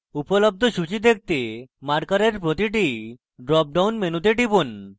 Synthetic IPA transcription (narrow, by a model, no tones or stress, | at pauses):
upolob̚d̪ʱoʃut͡ɕid̪ek̚ʰt̪emaɾkaɾeɾpɾot̪iʈ̬i | ɖɾɔp̚ɖawnmenut̪eʈipun